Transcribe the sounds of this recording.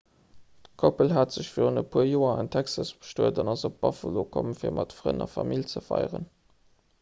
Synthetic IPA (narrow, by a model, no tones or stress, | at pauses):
kʰopəlɦaːtz̥əɕfiːʁonəpʰuəɐjoːɐɑntʰæksɑsb̥ə̥ʃtuədɑnɑzop̚b̥ɑfɑlokʰomfiːɐmʔɑtfʁə̰nɑfɑmilt͡səfɑ̰ɪʁə̰n